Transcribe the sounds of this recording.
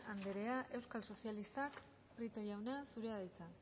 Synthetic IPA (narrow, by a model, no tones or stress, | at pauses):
and̪e̞ɾe̞aʔe̞wskalso̞sijalist̪ak | pɾit̪o̞ʝawnasuɾeaðajt͡sa